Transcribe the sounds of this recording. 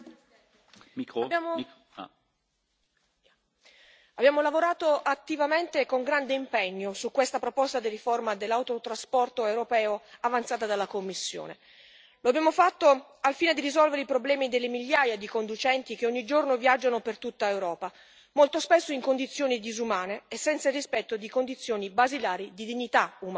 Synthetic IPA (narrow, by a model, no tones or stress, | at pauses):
bjao | abjaːmolavoɾaːt̪oʔat̪ːivament̪ekoŋɡɾand̪eimpɛɲːosukːwest̪apɾopɔst̪ad̪iriformad̪elːawt̪ot̪ɾaspɔrt̪oewɾopɛːoavant̪saːt̪ad̪alːakomːisːjo̰ːne | loabjaːmofat̪ːo | alfiːned̪irizɔlveɾeipɾoblɛːmid̪elːemiʎːaːjad̪ikond̪ut͡ʃɛnt̪ik̟eoɲːid͡ʒornovjad͡ʒːanopert̪ut̪ːaewɾɔːpa | molt̪ospɛsːoiŋkond̪it̪sːjoːnid̪izumaːneːsːɛnt̪sarispɛt̪ːod̪ikond̪it̪sːjoːnibazilaːɾid̪id̪iɲːit̪aum